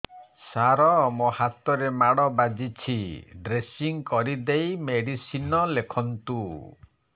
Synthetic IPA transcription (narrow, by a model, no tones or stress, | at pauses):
saɾɔmohat̪ɔɾemaɽɔbad͡ʒit͡ʃʰiɖɾesiŋkɔɾid̪ejmeɽisinɔlekʰɔnt̪u